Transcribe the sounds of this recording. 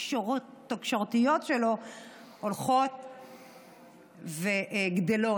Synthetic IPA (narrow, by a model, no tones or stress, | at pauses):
oookʃoʁt̪ijo̞t̪ʃelo̞ | olχo̞t̪ | veʔɡd̪elo